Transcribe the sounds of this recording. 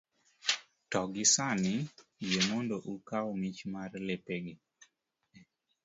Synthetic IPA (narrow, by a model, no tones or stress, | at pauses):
tɔɡɪsanɪjemondoʔukawmit͡ʃmarlepeɡɪ